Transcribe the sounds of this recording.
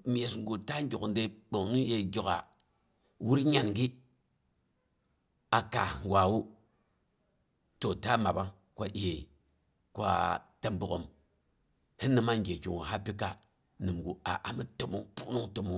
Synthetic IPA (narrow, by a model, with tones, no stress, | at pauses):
mi˨je˨sŋ˦ɡo˨ta˦ŋ˦ɡʲo˨kn˦de˦ɓo˨ŋnu˦je˨d͡ʒʲo˨ka̰˨ | wu˦ɾɲa˨nɡi˦ | a˨ka̰˨ŋɡwa˨wu˦ | to˨ta˦ma˨ba˦ŋ | kʷa˦ʔi˨je˨ | kʷa̰˦ta˦mbu˨ko˨m | hi˦nːɨ˦ma˦ŋɡe˨ki˨ŋu˨ha˦pi˦ka˨ | nɨ˨mɡu˨a̰˨ʔa̰˦mi˦to˨mo˨˦ŋpu˦nu˦ŋto˨mu˨